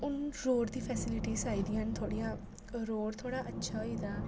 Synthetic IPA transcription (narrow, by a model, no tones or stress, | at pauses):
ʊnɾoːɾd̪iːpʰɛːsɪlɪʈiːsaːiːd̪ijãːnt̪ʰoːɽijãː | ɾoːɾt̪ʰoːɽaːʔətːʃʰaːiːd̪aː